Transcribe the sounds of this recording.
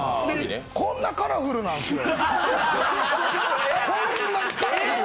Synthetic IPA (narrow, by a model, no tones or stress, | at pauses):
d̪e | kõnːakaɾaɸɯ̟ɾɯnãno | konːak